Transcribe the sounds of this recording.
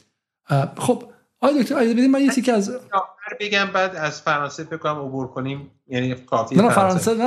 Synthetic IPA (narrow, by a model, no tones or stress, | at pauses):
xob̥ | ʔɒːjed̪oct̪oɾæjd͡ʒɒzebe̞d̪imænjecʰicʰeæzɒːæɾbeɡʲæmbæːd̪æzfæɾɒːnsefekːomæmobuɾkʰonim | jænikʰɒːfiænæfæɾɒːnsenæ